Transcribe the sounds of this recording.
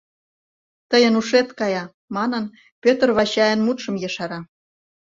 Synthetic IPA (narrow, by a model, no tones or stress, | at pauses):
t̪əjə̆nuʃet̪kɑjɑ | mɑnə̆n | pʲøt̪rβɑɕɑjə̆nmut̪ʃɤ̆mjɤ̆ʃɑɾɑ